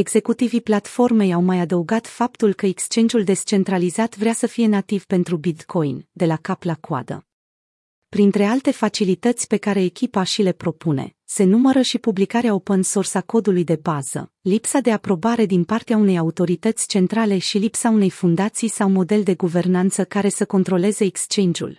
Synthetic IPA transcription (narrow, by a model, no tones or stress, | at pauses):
e̞ɡz̥e̞kut̪iviplat̪fo̞rme̞jawmajad̪əuɡat̪fap̚t̪ulkəekst͡ʃe̞nd͡ʒ̪ʲuld̪e̞st͡ʃe̞nt̪ɾalizat̪vɾeasəfije̞nat̪iv̥pe̞nt̪ɾubit̪kʰo̞jnd̪e̞lakaplakwa̰d̪ə̰ | pɾint̪ɾe̞alt̪e̞fat͡ʃilit̪ət̪sʲpe̞kaɾe̞ːkʲipaʃile̞pɾo̞pune̞̰ | se̞numəɾəʃipublikaɾeao̞pənso̞rsako̞d̪ulujd̪e̞baz̥ə̰lipsad̪e̞apɾo̞baɾe̞d̪inpart̪eaune̞jaut̪o̞ɾit̪ət̪sʲt͡ʃe̞nt̪ɾale̞ʃilipsaune̞jfund̪at̪sijsawmo̞d̪e̞ld̪e̞ɡuve̞rnant̪səkaɾe̞səko̞nt̪ɾo̞le̞ze̞ːkst͡ʃe̞nd͡ʒṵl